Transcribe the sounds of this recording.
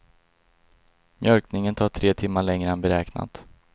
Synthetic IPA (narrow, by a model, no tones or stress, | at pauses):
mjœlknɪŋənt̪ʰɑːʈʰɾeːt̪ʰɪmːaɭɛŋɾəɛnbɛɾɛːkna̰t̪